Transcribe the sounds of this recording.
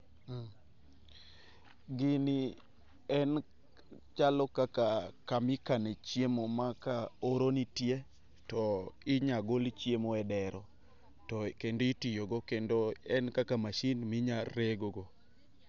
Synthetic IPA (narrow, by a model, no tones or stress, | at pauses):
ɡɪni | ɛn | t͡ʃalɔkakakamɪkanɛt͡ʃjemomakaoɾonitje | tɔɪɲaɡolt͡ʃjemoɛdɛɾɔ | tɔkendoitijoɡɔkendoɛnkakamaʃinmɪɲaɾeɡoɡo